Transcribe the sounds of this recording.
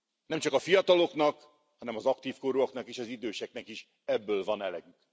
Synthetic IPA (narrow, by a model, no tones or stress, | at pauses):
nɛmt͡ʃɒkɒfijɒt̪ɒlo̞knɒk | hɒnɛmɒzɒkt̪iːfkoɾuoknɒkiʃɒzid̪øːʃɛknɛkiʃ | ɛbːøːlvɒnɛlɛɡyk